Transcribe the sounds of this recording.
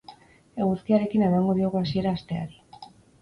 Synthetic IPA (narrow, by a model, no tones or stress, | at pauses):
e̞ɣusk̪iaɾe̞kine̞maŋɡo̞ðioɣuasie̞ɾaːst̪e̞aɾi